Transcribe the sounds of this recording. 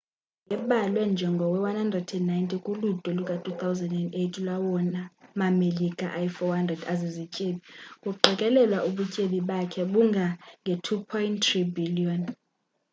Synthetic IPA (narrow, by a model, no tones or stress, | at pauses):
ŋɡɛɓalwɛnd͡ʒʱɛŋɡʱɔwɛwanhandrɛdɛnnajntʼikʼulutʼɔlukʼatʰut̪awzɛndɛndejtʰilwawɔnamamelikʼa̰ʔajfɔhandrɛdazezicʼeɓikʼuɡ͡ǃʱɛkʼɛlɛlwaʔuɓucʼeɓiɓakʰɛɓuŋɡʱaŋɡʱɛtʰupʰɔintribiliɔn